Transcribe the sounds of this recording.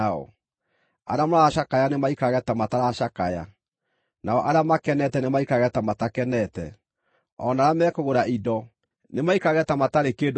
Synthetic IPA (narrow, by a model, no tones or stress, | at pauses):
ɔ̰ | a̰ɾeamoɾaaʃakajanemaikaɣɛtamataɾaʃakaja̰ | naɔʔaɾeamakɛnɛtɛnemaikaɣɛtamatakɛnɛtɛ̰ | ɔnaɾamɛːkoɣoɾaʔidɔ | nemaikaɣɛtamataɾekeːd